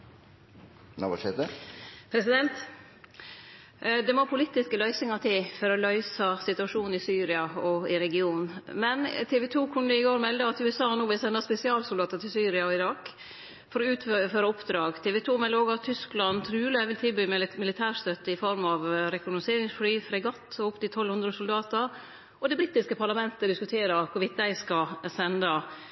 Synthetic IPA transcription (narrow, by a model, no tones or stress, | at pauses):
nɑ̰ʋɑʂɛd̪əpʰɾɛsɪd̪ɛnt̪ | d̪ɛmopʰʊlɪt̪ːɪskəlœʏsɪŋɑt̪ʰɪfɔɾɔlœʏsɑsɪt̪ʉɑʂuːnn̩ɪsyːɾɪɑɔɪɾɛɡɪuːnn̩mɛnt̪ʰɛːʋɛt̪ʰuːkʰʊnːd̪əɪɡoːɾmɛld̪əɑt̪ʉːɛsɑːhɑnuːbɛlsɛnd̪ɑspɛsɪɑːlsʊld̪ɑːt̪ət̪ʰɪlsyːɾɪɑɔɪɾɑːk | fɔɾɔʉːt̪føːɾɑʊpd̪ɾɑːɡt̪ʰeːʋɛt̪ʰuːmɛləoːɡɑt̪ʰʏsklɑnt̪ʰɾʉːləʋɪlt̪ʰɪlbyːmmɪlɪt̪ʰæːst̪œt̪ːəɪfɔɾmɑʋɾɛkʊɡnʊseːɾɪŋsflyːfɾɛɡɑt̪ːɔʊpd̪ɪt̪ʰɔlhʉnd̪ɾəsʊld̪ɑːt̪ə | ɔd̪ɛbɾɪt̪ːɪskəpʰɑɭɑmɛnt̪əd̪ɪskʉt̪ʰeːɾəkʰʊʋɪt̪̚d̪æɪskɑsɛnd̪ɑ